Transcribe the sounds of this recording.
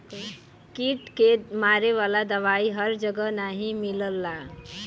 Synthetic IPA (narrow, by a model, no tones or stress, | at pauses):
kiʈkemaɾeʋalad̪əʋaiɦəɾd͡ʒəɡənaɦĩmiləlːa